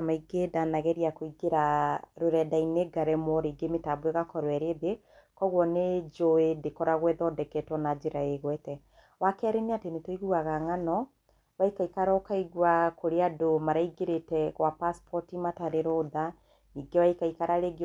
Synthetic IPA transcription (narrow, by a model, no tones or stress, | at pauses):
maiɡedanaɣɛɾiakoiɡeɾaɾoɾɛdaineɡaɾɛmɔɾeiɡemetabweɣakɔɾwɛɾeðe | kɔɣwɔned͡ʒoedekɔɾaɣwɛðɔdɛkɛtwɔnad͡ʒeɾaeɣwɛtɛ | wakɛɾeneatenetoiɣuaɣaŋanɔ | βaikaikaɾakaiɣwakoɾeadomaɾaiɡeɾetɛɣwapaspʰɔtimataɾeɾoða | niɡewaikaikaɾaɾeɡ